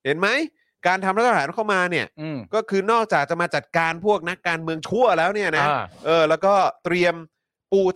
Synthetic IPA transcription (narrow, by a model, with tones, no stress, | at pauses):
he˩˦nma˦˥j | kaː˧nt̪ʰa˧mɾa˦˥t̪̚ʰːhaː˩˦nkʰa˥˩wmaː˧ni˥˩ɐ˧˩kɔː˥˩kʰɯː˧nɔː˥˩k̚t͡ɕaː˨˩k̚t͡ɕa˨˩maː˧t͡ɕa˨˩t̪̚kaː˧npʰu˥˩ək̚na˦˥kːaː˧nmɯ˧əŋt͡ɕʰu˥˩ɐlɛː˦˥wni˥˩ɐna˦˥˧ʔɤː˧lɛː˦˥wkɔː˥˩t̪ɾi˧əm | puː˧˩